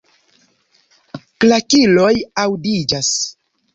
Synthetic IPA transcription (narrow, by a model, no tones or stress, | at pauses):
klakilo̞jawdid͡ʒas